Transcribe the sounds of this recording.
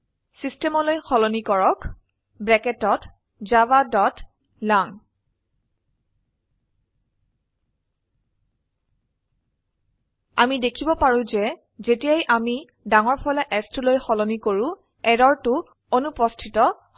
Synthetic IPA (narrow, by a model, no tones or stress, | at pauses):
sistɛmɔlojxɔlɔnikɔɹɔk | bɹɛkɛtɔt | zabadɔt | laŋ | amidekʰibɔpaɹʊ̃zɛ | zetijajʔami | daŋɔɹpʰɔjlaʔɛstʰulojxɔlɔnikoɹʊ̃ | ɛdɔɹtʊ | onupɔstʰitɔ